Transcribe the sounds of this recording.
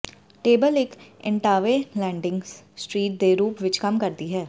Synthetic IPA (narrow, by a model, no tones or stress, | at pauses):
ʈeːbəlɪkɪ̰̃ɳʈaːʋeːlɛ̃ːɳɖɪ̃ŋɡssʈɾiːʈ̚d̪eːɾuːpʋɪt͡ʃkəmkəɾd̪iːɦɛː